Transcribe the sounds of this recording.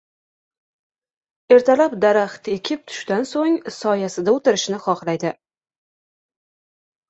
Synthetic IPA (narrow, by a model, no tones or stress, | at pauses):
e̞ɾt̪ʰalapd̪aɾaχt̪ekʲʰɪp̚t̪ʰʊ̥ʃt̪ansoŋsɒjasɪd̪aot̪ʰɪɾɪʃnɪχɒχlˠajd̪ɪ